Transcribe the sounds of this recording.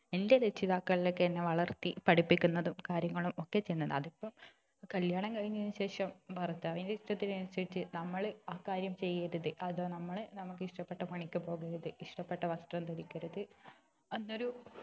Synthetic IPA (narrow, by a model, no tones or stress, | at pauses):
e̞nde̞ðet͡ɕːiðaːkːɐɭilokːeɐnːe̞ʋɐɭɐrt̪ːipɐɽipːikʲːunːɐðumkaːɾjɐŋːɐɭumo̞kːe̞t͡ɕe̞jnːɐðɨ̰ɐðipːɐm | kɐljaːɳɐmkɐɻiɲːɐðnːɨɕe̞ːʂɐmpɐrɐt͡ɕːuɐʋindeiʂʈɐt̪ːinɐnɐsɐit͡ɕːɨnɐmːɐɭaːkaːɾjɐmt͡ɕe̞jːɐɾuðɨʔɐðonɐmːɐɭnɐmuk̬ːɨiʂʈɐpːeʈːɐpɐɳikʲːupo̞ːɣɐɾuðɨiʂʈɐpːe̞ʈːɐʋɐsʈ̪rɐmt̪ɐɾikʲːɐɾuðɨ | enːo̞ɾu